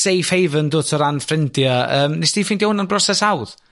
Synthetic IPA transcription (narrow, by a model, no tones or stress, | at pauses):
sejfhejvəndoːtʰɔɾanfrɪndjaəːmnesd̥iːfindihʊnənbrɔsɛsawð